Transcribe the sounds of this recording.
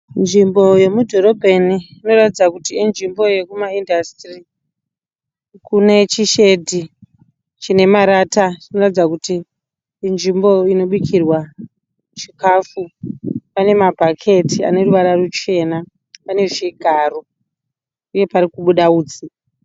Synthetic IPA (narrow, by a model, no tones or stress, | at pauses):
nʐimbo̞je̞mudʱo̞ɾo̞bʱeniːno̞ɾatid͡zakutiːnʐimbo̞je̞kumaindastri | kune̞t͡ʃiʃe̞dʱi | t͡ʃine̞maɾatat͡ʃino̞ratid͡zakutiː | nʐimbo̞ino̞ɓikʰirwa | t͡ʃikafupane̞mabʱakʰe̞tia̰ne̞ruʋaɾarut͡ʃe̞na | pane̞ʐiɡʱaːro | uje̞paɾikuɓuɗauːd͡zi